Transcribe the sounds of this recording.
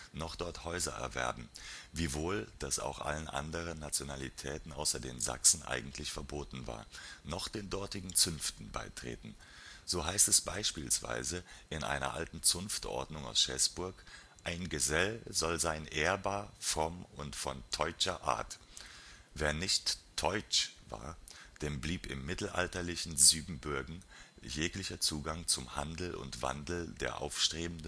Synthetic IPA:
nɔχd̥ɔɐthɔʏzɐʔɛ̰ɐvɛ̰ɐbm̩viːvoːld̥asa̰ʊxʔa̰lənʔa̰ndəʁ̞ənːat͡sjonalitʰɛːtn̩ʔa̰ʊsɐdeːnza̰ksn̩ʔa̰ɪɡŋ̩tʰlɪçfɛɐboːtn̩va̰ːɐnɔχd̥eːndɔɐtɪɡŋ̩t͡sʏnftn̩ba̰ɪtʁ̥ḛːtn̩ | z̥oːɦaɪstɛsb̥aɪʃpiːlsv̥a̰ɪzəʔɪnʔa̰ɪnɐ̰ʔa̰ltn̩t͡sʊnftʔɔ̰ɐdnʊŋa̰ʊsʃɛsb̥ʊɐk | ʔaɪnɡəzɛlzɔlzaɪnʔeːɐbaːɐfʁ̥ɔmʊntfɔntʰɔʏt͡ʃɐʔa̰ːɐt | veːɐnɪçtʰːɔʏt͡ʃva̰ːɐd̥eːmbliːpɪ̰mːɪtl̩ʔa̰ltɐlɪçn̩zyːbm̩bʊɐɡŋ̩ | jeːklɪçɐt͡suːɡaŋt͡sʊmhandl̩ʊ̰ntv̥a̰ndl̩dḛːɐʔa̰ʊfʃtʁ̥eːbn̩də

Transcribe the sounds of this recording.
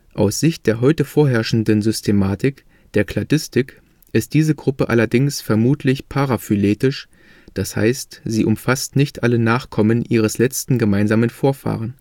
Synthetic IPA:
ʔa̰ʊsz̥ɪçt̚d̥eːɐɦɔʏtəfoːɐɦɛɐʃn̩dənzʏstʰemaːtʰɪk | d̥eːɐkʰl̥adɪstɪk | ʔɪst̚d̥iːzəɡʁʊpəʔa̰lɐdɪŋsfɛɐmuːtʰlɪçpʰaʁafyleːtɪʃ | d̥asha̰ɪstz̥iːʔʊmfastnɪçtʔalənaːχkʰɔmənʔiːʁ̞əslɛt͡stn̩ɡəmaɪnzaːmənfoːɐfa̰ːʁ̞ən

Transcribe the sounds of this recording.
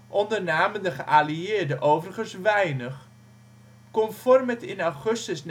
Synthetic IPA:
ʔɔndərnaːməndəχəʔaliɪːɹdəʔowvərχənsʋɛjnəχ | kɔmfɔrmətɪnawχɵstəsn

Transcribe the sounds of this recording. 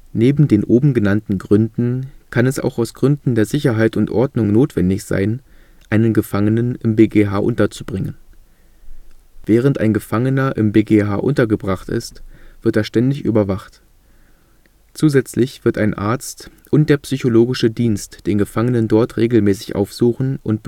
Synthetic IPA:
neːbm̩deːnʔoːbm̩ɡənantn̩ɡʁʏndn̩kʰanɛsa̰ʊxaʊsɡ̥ʁʏndn̩deːɐzɪçɐɦaɪtʊntʔɔɐdnʊŋnoːtv̥ɛndɪçz̥a̰ɪn | ʔaɪnənɡəfaŋənənɪmbeːɡeɦaːʔʊ̰ntɐt͡subʁɪŋən | v̥ɛːʁ̞ənta̰ɪnɡəfaŋənɐʔɪ̰mbeːɡeɦa̰ːʔʊntɐɡəbʁaχtɪ̰stv̥ɪɐteːɐʃtɛndɪçʔy̰ːbɐvaχt | t͡suːzɛt͡slɪçv̥ɪɐtaɪnʔa̰ɐt͡stʔʊntd̥eːɐpsyçoloːɡɪʃədiːnstd̥eːnɡəfaŋənəndɔɐtʁeːɡl̩mɛːsɪ̥çʔa̰ʊfz̥uːxn̩ʔʊnt̚b̥

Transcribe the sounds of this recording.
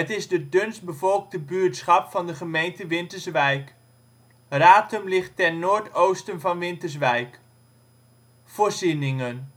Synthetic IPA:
ətɪzdədɵnsbəvɔlˠk̚dəbyːɹtsχɑpfɑndəχəmejntəʋɪntəɹsʋɛjk | raːtɵmlɪχtɛnːoːɹtowstənvɑnʋɪntəɹs̬ʋɛjk | foːɹzinɪŋən

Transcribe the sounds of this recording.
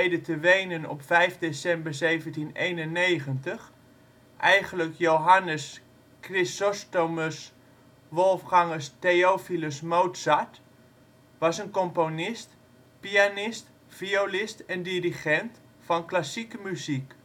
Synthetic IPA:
jdətəʋejnənɔ̰pfɛjfdesɛmbəɹsejvəntinejnənːejχəntəχ | ʔɛjχənləkjowɦanəs | krɪsɔstoməs | ʋɔlˠfχaŋəsteowfiləsmowtsat | ʋɑsənkɔmponɪst | pianɪst | fiolɪstɛndiriχɛnt | fɑnklasikəmyzik

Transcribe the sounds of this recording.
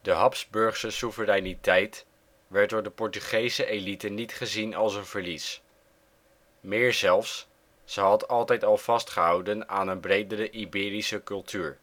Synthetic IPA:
dəɦɑpzbɵɹχsəsuvərɛjnitɛjt | ʋɛɹt̚dʊːɹdəpɔɹtyχejsəʔelitənitχəzinɑlˠsənvəɹlis | mɪːɹzɛlˠfs | z̥əɦɑtɑlˠtɛjtɑlˠv̥ɑstχəɦɑwdənaːnənbrejdərəʔibɪːɾisəkɵlˠtʰyːɹ

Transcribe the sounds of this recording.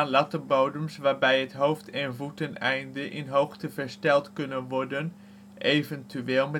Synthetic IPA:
anlɑtəboːdəmsʋaːɹbɛjətɦowftʰɛnvutənɛjndəʔɪnɦowxtəvəɹstɛlˠtkɵnənʋɔɹdən | ʔevəntyeːlˠmə

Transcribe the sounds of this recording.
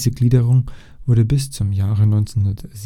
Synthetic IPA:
zəɡliːdəʁʊŋ | v̥ʊɐdəbɪst͡sʊmjaːʁənɔʏnt͡senhʊndɐtz̥

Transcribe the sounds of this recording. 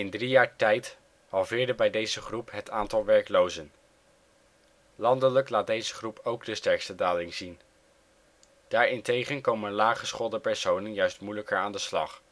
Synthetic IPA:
ɪndrijaːɹtɛjt | hɑlˠvɪːɹdəbɛjdejzəχrupɦətʰaːntɑlˠʋɛɹklowzən | lɑndələklaːt̚dejzəχrupowɡdəstɛɹkstədaːlɪŋzin | d̥aːɹɪntejχənkowmənlaːχəsχɔlˠdəpɛɹsownənjœɥstmujləkəɹaːndəslɑ̰χ

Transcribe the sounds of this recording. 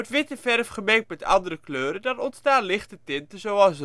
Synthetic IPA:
tʋɪtəfɛrfχəmɛːk̚tmɛtɑ̰ndəɾəkløːɾədɑtɔntstaːlɪχtətɪntəzowɑlˠs

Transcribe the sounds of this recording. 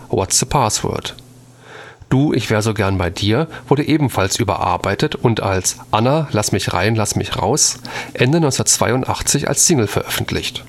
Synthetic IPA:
wɔ̰tsð̥əpʰaːswœ̰ɐt | d̥uːʔɪçv̥eːʁəzoːɡɛɐnbaɪdiːɐv̥ʊɐɾəʔeːbm̩falsʔyːbɐ̰ʔa̰ɐbaɪtətʊnta̰lsʔanalasmɪçʁa̰ɪnlasmɪçʁa̰ʊsʔɛndənɔʏnt͡ssɛnɐtt͡sv̥aɪʊntʔaχt͡sɪça̰lssɪŋl̩fɛɐʔœfn̩tʰlɪ̰çt

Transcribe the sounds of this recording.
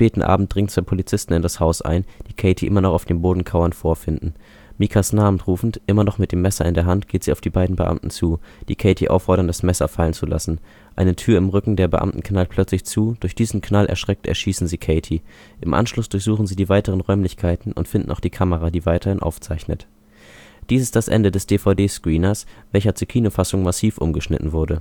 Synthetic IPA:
peːtn̩ʔa̰ːbm̩t̚d̥ʁɪŋtt͡sv̥aɪpʰolit͡sɪstn̩ɪndashaʊsʔa̰ɪnd̥iːkʰɛɪtʰiʔɪmɐnɔχaʊfd̥eːmboːdn̩kʰaʊɐnfoːɐfɪndn̩ | miːkʰasnaːbn̩tʁuːfn̩tʔɪmɐnɔχmɪt̚d̥eːmːɛsɐɪndeːɐɦantɡ̥eːtz̥iːaʊfd̥iːbaɪdn̩bəʔa̰mtn̩t͡suːd̥iːkʰɛɪtʰiʔa̰ʊfːɔɐɾɐndasmɛsɐfalənt͡sula̰sn̩ | ʔaɪnətʰyːɐɪmʁʏkŋ̩deːɐbəʔa̰mtn̩kʰnalpʰl̥œt͡slɪçt͡suːd̥ʊɐçd̥iːzn̩kʰnalʔɛ̰ɐʃʁ̥ɛk̚tɛ̰ɐʃiːsn̩ziːkʰɛɪtʰi | ʔɪmʔa̰nʃlʊsd̥ʊɐçz̥uːχn̩ziːdiːvaɪtəʁ̞ənʁɔʏmlɪçkʰaɪtn̩ʔʊ̰ntfɪndn̩ʔaʊd̥iːkʰaməʁadiːvaɪtʰɐhɪnʔa̰ʊft͡saɪçnə̰t | d̥iːsɪstd̥asʔɛ̰ndədɛsd̥eːfaʊdeːskʁ̥iːnɐsvɛlçɐt͡suːɐkʰiːnoːfasʊŋmasiːfʔʊ̰mɡəʃnɪ̰tn̩vʊɐdə

